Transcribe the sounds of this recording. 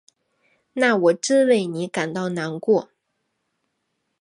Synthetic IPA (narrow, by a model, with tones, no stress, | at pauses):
na˥˩wɔ˨˩ʈ͡ʂɻ̩˥˧we˥˩ɪni˧˥ka˨˩nt̪ɑ˥˩ʊna˧˥nkwɔ˥˩